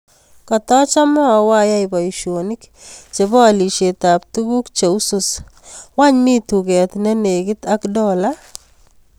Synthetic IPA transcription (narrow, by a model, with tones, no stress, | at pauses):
ka˨tɔ˦t͡ʃa˦mɔ˦a˨wa˦ja˦ɪba˨iʃo˨nɪk | t͡ʃe˨βɔ˦a˨li˨ʃe˨ta˨p̚tuku˦kt͡ʃe˨u˦suswa˦ɲmi˦tu˨kɛ˨t̪nɛ˦ne˨kɪ˦ta˦kdɔ˦la